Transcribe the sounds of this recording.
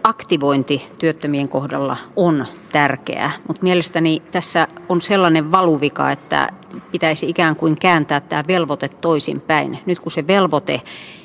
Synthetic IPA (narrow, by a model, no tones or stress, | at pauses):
ɑkt̪iʋoint̪it̪yøt̪ːømieŋkohdɑ̰lːɑ̰ont̪ærkḛæ̰mut̪mielest̪ænit̪æsːæonselːɑneʋʋɑluʋikɑ̰et̪ːæ̰pit̪æisiikæːŋkuiŋkæːnt̪æːt̪t̪æːʋelʋot̪et̪toisḭmpæinnyt̪kuseʋelʋot̪e